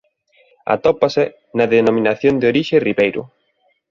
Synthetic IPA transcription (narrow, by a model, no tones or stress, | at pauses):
a̰t̪ɔpasɪ | nɐðenomĩnaθjond̪ɪoɾiʃeriβejɾʊ̰